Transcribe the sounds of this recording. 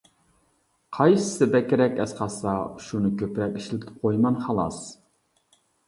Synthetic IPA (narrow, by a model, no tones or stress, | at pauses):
qʰɑjsɨ̥sɨbɛkʲɪɾɛkʲɛsqɑsɑʃunɨkʲʰøpɾɛkʲiʃlɪt̪ʰɪ̥p̚qʰojmɑnχɑlˠɑ̰s